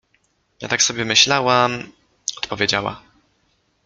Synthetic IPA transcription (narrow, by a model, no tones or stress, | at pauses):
ja̰t̪aksɔbʲjɛmɘɕlawam | ɔ̥t̪pɔvʲjed͡ʑawa̰